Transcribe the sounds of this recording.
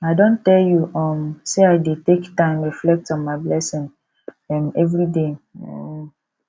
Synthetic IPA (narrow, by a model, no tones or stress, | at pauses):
aɪdõntɛljuʔɔmseaɪdetektãɪ̃mɹiflɛk̚tɔ̃nmaɪblɛsĩŋ | ɛ̃mɛvɹideo